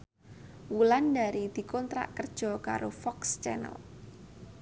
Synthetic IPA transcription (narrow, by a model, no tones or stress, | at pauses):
wulandaɾid̪̥i̤kɔnt̪ɾa̰ʔkərd̥ʒ̥ɔ̤ka̰ɾofɔkst͡ʃɛnə̰l